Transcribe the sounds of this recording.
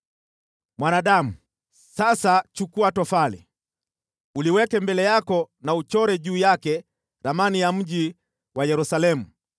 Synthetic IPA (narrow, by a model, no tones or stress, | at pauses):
mwanaɗamu | sasat͡ʃukuatɔfalɛ̰ | uliwɛkɛmbɛlɛjakɔ | naut͡ʃɔɾɛʄuːjakɛ | ɾamanijam̩ʄi | wajɛɾusalɛmu